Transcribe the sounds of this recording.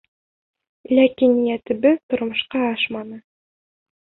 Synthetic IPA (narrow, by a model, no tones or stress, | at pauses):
lækinjæt̪ɘ̆bɘt̪ŏɾmŏʃqɑɑʃmɑnɤ